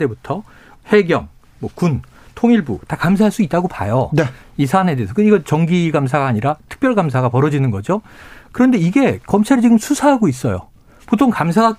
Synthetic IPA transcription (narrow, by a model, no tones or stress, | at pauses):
e̞butʰʌ | he̞ɡjʌŋ | mwʌkun | tʰoŋiɭbutakamsʰaɦaɭs͈uit̚t͈aɡopa̰jʌnisʰane̞deːsʰʌkɯiɡʌt͡ɕʌŋɡiɡamsʰaɡaaɲiɾatʰɯ̥k̚p͈jʌɭɡams̬ʰaɡapʌɾʌd͡ʑinɯnɡʌd͡ʑokɯɾʌnde̞iɡe̞kʌmt͡ɕʰaɾɯɭt͡ɕiɡɯmsʰusʰaɦaɡois̬͈ʌjo̰ | potʰoŋkams̬ʰaɡa